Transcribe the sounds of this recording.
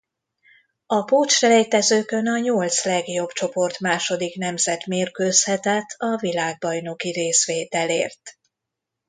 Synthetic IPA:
ɒpoːt͡ʃrɛlɛjt̪ɛzøːkø̞nɒɲolt̪slɛɡjo̞bt͡ʃo̞po̞rt̪maːʃo̞d̪ikn̪ɛmzɛt̪meːrkøːshɛt̪ɛt̪ʰːɒvilaːɡ̚bɒjno̞kiɾeːsʋeːt̪ɛlḛːrt̪

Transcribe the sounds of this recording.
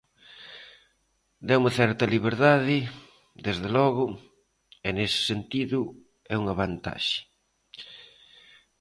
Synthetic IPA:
d̪ɛumɐθɛɾt̪ɐliβeɾðaðɪ | d̪ezðelɔɣʊ | enesɪ̥sent̪iðʊ | ɛuŋaβant̪a̰ʃɪ̥

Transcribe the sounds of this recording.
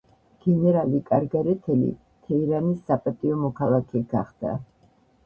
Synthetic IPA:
ɡ̥ɛnɛɾalikʼaɾɡaɾɛt̪ʰɛlḭ | t̪ʰɛiɾanisːapʼat̪ʼiɔmɔkʰalˠakʰɛɡ̥aχd̪̥a̰

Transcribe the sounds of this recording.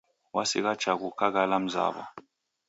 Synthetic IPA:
wasik̬ḁt͡ʃʰak̬ukʰak̬alam̩za̰ːɓɔ̰

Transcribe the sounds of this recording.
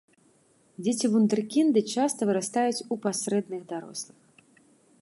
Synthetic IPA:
d͡zʲet͡sʲivund̪ɨrkʲind̪ɨt͡ʂast̪ɐvɨɾast̪ajut͡sʲupasɾɛd̪nɨɣd̪aɾɔ̰slˠɨx

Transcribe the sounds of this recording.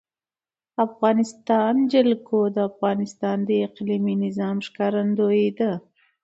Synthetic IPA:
afɣɑnɪst̪ɑnd͡ʒɪlkod̪əafɣɑnɪst̪ɑnd̪əɪqliminɪzɑmʂkɑɾand̪oed̪ə

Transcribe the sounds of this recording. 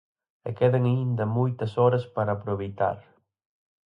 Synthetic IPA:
ɛkɛðɐŋaind̪ɐmojt̪ɐsɔɾɐspaɾɐːpɾoβejt̪a̰ɾ

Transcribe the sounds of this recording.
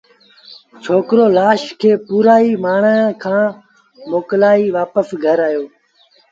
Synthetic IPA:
t͡ʃʰoːkɾoːlaːʃkʰeːpuːɾaːiːmaːɳãːkʰãː | moːklaːiːʋaːpəsɡʱəɾaːjoː

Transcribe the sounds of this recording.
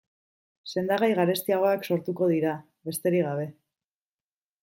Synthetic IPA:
se̞nd̪aɣajɣaɾe̞st̪iaɣ̞o̞akso̞ɾt̪uko̞ð̞iɾa | βe̞st̪e̞ɾiɣaβ̞e̞

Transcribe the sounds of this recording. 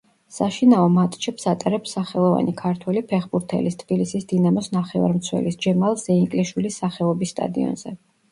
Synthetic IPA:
saʃinaɔmat̪ʼt͡ʃʰɛpsat̪ʼaɾɛpsaχɛlˠɔva̰nikʰaɾt̪ʰwɛlipʰɛχbuɾt̪ʰɛ̰list̪ʰb̥ilisisd̪̥inamɔsnaχɛva̰ɾmt̪sʰwɛ̰lisd͡ʒɛmalˠzɛiŋkʼliʃwilisːaχɛɔbisːt̪ʼa̰d̪iɔ̰nzɛ

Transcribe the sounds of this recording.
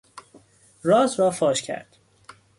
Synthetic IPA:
rɒːzɾɒːfɒːʃcʲʰæ̰ɾd̪̥

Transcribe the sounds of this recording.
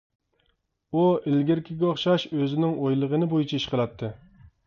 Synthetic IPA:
uɪlɡʲɪɾkʲʰɪɡʲɛoχʃɑʃøzɪnɪŋojlˠəʁənɨbojit͡ʃʰɛiʃqʰəlˠɑt̪ʰːɨ

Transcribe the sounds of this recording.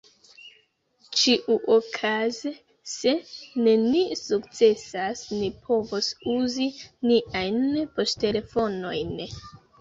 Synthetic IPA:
t͡ʃiʔuʔokʰaze | se̞nenisuk̚t͡se̞sasnipʰo̞vosuziniʔajnpo̞stte̞le̞fo̞no̞jn

